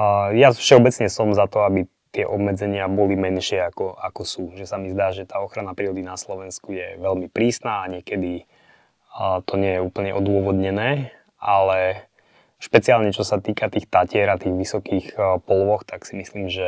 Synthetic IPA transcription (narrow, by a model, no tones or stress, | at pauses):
jafʃɛɔbɛt͡sɲɛsɔmzat̪ɔabi | t̪ɪɛʔɔbmɛd͡zɛɲɪabɔlimɛnʃɪɛakɔʔakɔsuʒɛsamizd̪aːʒɛt̪aːɔxɾanapɾiːɾɔd̪inaslɔʋɛnskujɛʋɛlmipɾiːsnaːɲɪɛkɛd̪i | t̪ɔɲɪɛjɛuːpl̩ɲɛʔɔd̪ʊɔʋɔd̪ɲɛnɛː | ʔalɛ | ʃpɛt͡siaːlɲɛt͡ʃɔsat̪iːkat̪iːxt̪acɪɛɾat̪iːɣʋisɔkiːxpɔlʋɔxt̪aksimisliːmʒɛ